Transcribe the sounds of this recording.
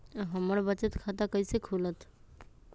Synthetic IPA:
ɦəməɾbət͡ʃət̪kʰat̪akəɪsekʰulət̪ʰ

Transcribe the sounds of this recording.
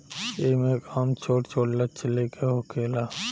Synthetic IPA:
eːmekaːmt͡ʃʰoːʈt͡ʃʰoːɽlat͡ʃʰɪlekʰeɦokʰeːlaː

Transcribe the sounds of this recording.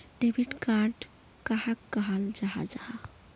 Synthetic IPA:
ɖebʱiʈkaɾɖ | kaɦakːəɦəld͡ʒaɦa̰d͡ʒaɦa

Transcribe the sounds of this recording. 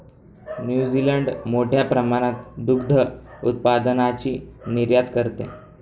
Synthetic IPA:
njud͡ʑiləɳɖmoʈʰjapɾəmaɽ̃at̪d̪uɡd̪ʱəṵt̪̚pad̪ənat͡ɕiːniɾjat̪kəɾt̪ḛ̃

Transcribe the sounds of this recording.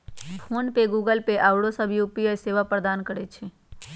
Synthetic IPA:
pʰoːnpeɡuːɡəlpeʔawɽosəbʱijupiəseːʋapɾəd̪aːnkəɾet͡ʃʰe

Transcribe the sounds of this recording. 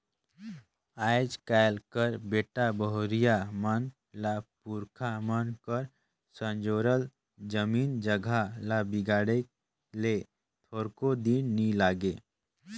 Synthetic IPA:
aːjd͡ʒkajlkəɾbeːʈabəɦoɾijamən | lapuɾkʰamənkəɾ | sə̃nd͡ʒoːɾəl | d͡ʒəmiːnd͡ʒəɡʱalabiɡaːɽe | le | t̪ʰoːɾkod̪inːilaːɡe

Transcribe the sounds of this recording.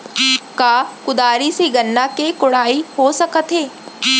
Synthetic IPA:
kaːkʊd̪aːɾiseɡɐnːakekʊɽ̤aːihosɐkət̪ɦeː

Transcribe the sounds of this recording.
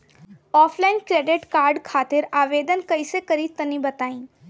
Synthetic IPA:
ɔːpʰlaːɪnkɾeːɖɪʈkaːɾɖkʰaːt̪ɪɾaːʋeːd̪ənkɐisekɐɾit̪ɐnĩbɐt̪aːĩː

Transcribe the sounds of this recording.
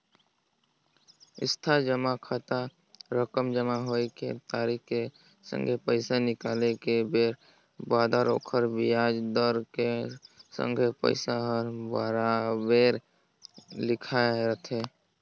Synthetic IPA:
ɪ̰st̪ʰad͡ʒəmakʰat̪a | ɾəkəmd͡ʒəmaɦoekḛt̪aːɾikkːe | sə̰̃ŋɡʱepəɪsanɪkaːlekebeːɾ | baːd̪aɾo̰ːkʰəɾbiaːd͡ʒd̪əɾkesə̰̃ŋɡʱepə̰ɪsaɦəɾbaɾabeːɾ | lɪkʰaeɾət̪ʰeː

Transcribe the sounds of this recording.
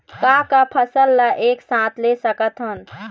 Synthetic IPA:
kakapʰəsəlːaʔeːksãːt̪ʰlesəkət̪ɦən

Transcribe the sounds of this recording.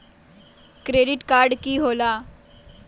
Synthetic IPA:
kɾeɖiʈkaɾɖkiːɦola

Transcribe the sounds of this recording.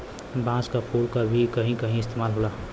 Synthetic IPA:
bãːskapʰulkabʱikəɦĩkəɦĩɪst̪ʰeːmaːlɦola

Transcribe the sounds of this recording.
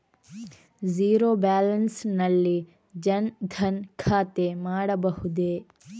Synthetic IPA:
d͡ʒiːɾoːbaːlɐnsnɐlːi | d͡ʒɐnd̪ʱʰɐnkʰaːt̪emaːɽɐbɐhud̪e

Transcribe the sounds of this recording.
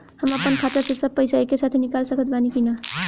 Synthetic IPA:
həməpənkʰat̪əɾsesəb̚pəjsaekːesat̪ʰenikalsəkʰət̪̚banikina

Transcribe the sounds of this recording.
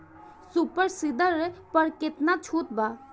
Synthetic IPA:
supəɾsɪd̪əɾɛpəɾkɪt̪nat͡ʃʰuːt̪̚baː

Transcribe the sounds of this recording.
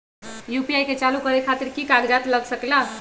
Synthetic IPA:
jupiajket͡ʃalukəɾekʰat̪iɾkikaɡd͡ʒat̪ləɡsəkla

